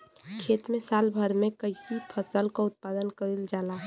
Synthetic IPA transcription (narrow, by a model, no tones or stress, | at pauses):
kʰeːt̪mẽsaːlbʱəɾmẽkəisipʰəsəlkaʊt̪̚pad̪ənkəɾild͡ʒaːla